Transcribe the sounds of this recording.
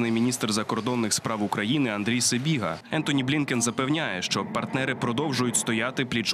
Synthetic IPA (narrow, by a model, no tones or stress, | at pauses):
nɪjmʲinʲist̪rzɐkɔrd̪ɔnːɪxspɾɑwʊkɾɐjinɪɐnd̪ɾʲijsebʲiɦɐɛnt̪ɔnʲiblʲinkʲenzɐpɛwnʲajɛʃt͡ʃɔpɐrt̪nɛɾɪpɾɔd̪ɔwʒʊjʊtʲst̪ɔjat̪ɪplʲit͡ʃ